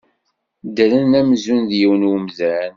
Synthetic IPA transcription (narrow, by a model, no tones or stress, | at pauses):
d̪əɾənæmzunðjiwnwəmzæn